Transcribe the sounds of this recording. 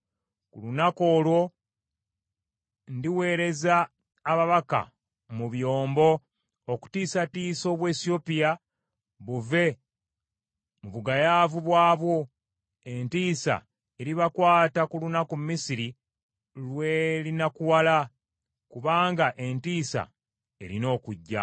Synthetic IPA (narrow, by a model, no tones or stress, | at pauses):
kulunako̞ːlwo̞ | ndiwe̞ːɾe̞zaː | βaβaka̰ | muβjo̞ːmbo̞ | oku̥tiːsatiːso̞ːβwe̞ːsio̞pija | βuve̞ | muβuɡajaːvuβwaːβwo̞ | entiːsa̰ | e̞ɾiβakwaːtakulunakummisiɾi | lwelinakuwala | kuβaːŋɡaʔe̞ntiːsa̰ | e̞̰ɾino̞ːkuɟːa̰